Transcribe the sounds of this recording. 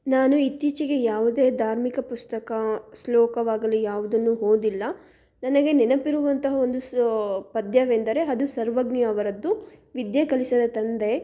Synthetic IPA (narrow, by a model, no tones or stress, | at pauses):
naːnuit̪ːit͡ʃiɡe̞jaːʋud̪e̞ːd̪ʱaːɾmikɐpust̪ɐkɐslɔːkɐʋaːɡɐlijaːʋud̪ɐnːuɦoːd̪ilːɐ | nɐnɐɡe̞nɛnɐpiɾuʋɐnt̪ɐɦɐo̞nd̪upɐd̪jɐʋend̪ɐɾe̞ɐd̪usɐɾʋɐɡnijɐːʋɐɾɐd̪ːuʋid̪jɐkɐlisɐd̪ɐt̪ɐnd̪e̞